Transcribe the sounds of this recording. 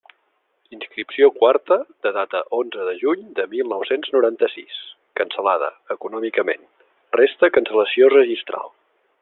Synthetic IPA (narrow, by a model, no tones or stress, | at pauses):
inskɾipsiokwart̪əd̪əðat̪əʔonzəðəʒuɲd̪əmilˠnɔwsenznuɾant̪əsis | kənsəlað̞ə̰ | əkunɔmikəmḛn | rest̪əkənsələsiorəʒist̪ɾa̰lˠ